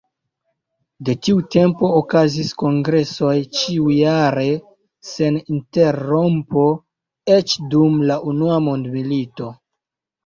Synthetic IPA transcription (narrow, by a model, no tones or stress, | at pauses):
de̞tiute̞mpo̞ːkazisko̞ŋɡɾe̞so̞jt͡ʃiujaɾe̞ | se̞ninte̞ɾo̞mpo̞ | e̞t͡ʃdumlaʔunuamondmilito̞